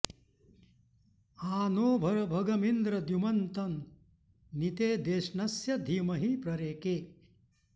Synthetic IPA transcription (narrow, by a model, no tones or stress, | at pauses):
aːnoːbʱɐɾɐbʱɐɡɐmind̪ɾɐd̪jumɐnt̪ɐnː | it̪eːd̪eːʃɳɐsjɐd̪ʱiːmɐɦipɾɐɾeːkeː